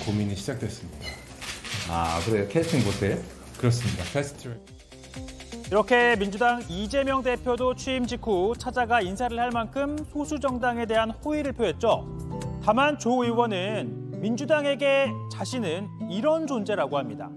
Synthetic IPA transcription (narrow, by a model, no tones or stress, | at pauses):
komiɲiɕʰid͡ʑak̚t͈we̞s͈ɯmɲida | a̰kɯɾekʰetʰiŋbosʰejo | kɯɾʌs̬͈ɯmɲidapʰestʰ | iɾʌkʰe̞mind͡ʑudaŋid͡ʑe̞mjʌŋde̞pʰjodot͡ɕʰiimd͡ʑikʰut͡ɕʰad͡ʑaɡainsʰaɾɯɭhaɭmankʰɯmsʰosʰud͡ʑʌŋdaŋe̞de̞ɦanhoiɾɯɭpʰjoɦe̞t̚t͡ɕ͈ʌtamant͡ɕoiwʌnɯn | mind͡ʑudaŋe̞ɡe̞t͡ɕaɕʰinɯniɾʌnd͡ʑond͡ʑe̞ɾaɡoɦhamɲida̰